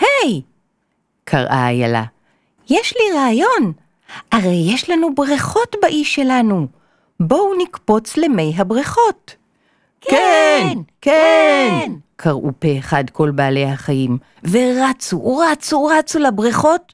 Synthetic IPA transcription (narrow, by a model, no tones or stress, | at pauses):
hej | kʰaʁʔa̰ːja̰la̰ | jeʃliʁaːjo̞n | ʔaʁe̞jːeʃlanubʁiχo̞tbaʔiʃelanu | bo̞unikpo̞t͡sleme̞jɦabʁiχo̞t | kkenkenkʰaʁʔupeːχadkʰo̞lbaːlejhaχajim | veʁat͡suʁat͡suʁat͡sulabʁiχo̞t